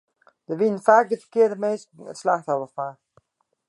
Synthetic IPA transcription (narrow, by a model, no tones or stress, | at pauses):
d̥əʋinənfaːk̚dəfəkɪədəmejstə̰tslaxthɔvəfa